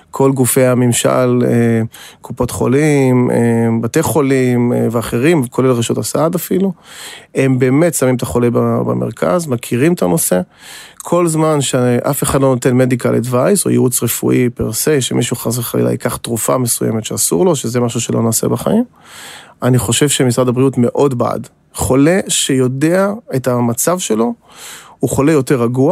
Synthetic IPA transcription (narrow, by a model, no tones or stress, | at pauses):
kʰo̞lɡufe̞jamimʃa̰lekupo̞t̪χo̞̰limebateχo̞limveaχeʁimkʰo̞lelʁeʃotasaadafilue̞mbeːmet̪samimt̪aχo̞lebaba̰me̞̰ʁkʰa̰zmakʰiʁimet̪ano̞se̞ | kʰo̞lzmanʃeʔafe̞χadlo̞no̞tenmedika̰lʔḭdvajso̞̰jḭut͡sʁefṵʔipeʁseʃḛmiʃuχazveχalḭla̰jikaχtʁufa̰mesujḛmetʃeasṵʁlo̞ʃeze̞maʃ̬uʃelo̰naːse̞̰baχa̰im | aniχo̞ʃe̞vʃemisʁadabʁiutme̞ʔo̞dbaa̰d | χo̞le̞ʃe̞jo̞de̞aetamat͡savʃe̞lo̞ | uχo̞le̞jo̞teʁaɡua